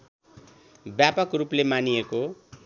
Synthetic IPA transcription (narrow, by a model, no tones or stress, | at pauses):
bjapʌkruplemanijeko